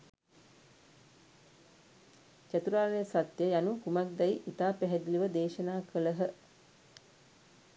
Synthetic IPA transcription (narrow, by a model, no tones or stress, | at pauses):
t͡ʃat̪uɾaːnejəsat̪jəjanukumak̚d̪ɛjʔit̪aːpæɦɛd̪iliʋəd̪eːʃənaːkʰələɦə